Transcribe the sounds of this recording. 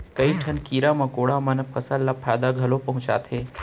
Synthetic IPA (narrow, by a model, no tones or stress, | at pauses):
kəiʈʰənkiːɾamãkoɽamanəpʰəsəlːapʰajd̪aɡʱɐlopɐɦʊ̃t͡ʃa̰t̪ʰe